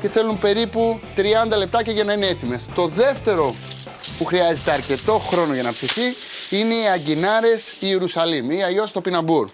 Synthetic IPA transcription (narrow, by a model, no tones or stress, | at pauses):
ceθe̞lumpe̞ɾiput̪ɾiɐnd̪ɐle̞p̚t̪ɐceʝɐnɐinee̞t̪ime̞st̪o̞ðe̞ft̪e̞ɾo̞ | puxɾiɐzet̪e̞ɐɾce̞t̪o̞xɾo̞no̞ʝɐnɐpsiθiine̞iɐɟinɐɾe̞sieɾusɐlimiiɐʎo̞st̪o̞pinɐbuɾ